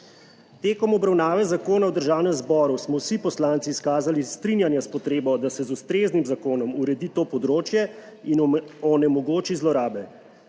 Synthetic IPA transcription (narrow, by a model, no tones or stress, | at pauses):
t̪eːkɔmɔbɾawnaːʋɛzakoːnawd̪əɾʒaːwnɛmzbɔːɾusmɔwsipɔslaːnt̪siːskaːzalist̪ɾinjanjaspɔt̪ɾeːbɔd̪asɛzust̪ɾeːznimzakoːnɔmuɾɛd̪it̪oːpɔd̪ɾoːt͡ʃjɛ | inɔnɛmɔɡoːt͡ʃizlɔɾaːbɛ